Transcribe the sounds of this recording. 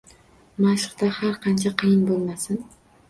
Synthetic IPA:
maʃɪ̥qt̪ahaɾqʰɑnt͡ʃʰaqʰɨjɪnbolˠmasɪn

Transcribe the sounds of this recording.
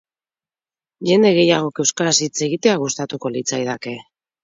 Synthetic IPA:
ʝe̞nd̪e̞ɣe̞jaɣ̞o̞kewskaɾasit͡se̞ɣit̪e̞aɣ̞ust̪at̪uko̞lit͡sajðake̞

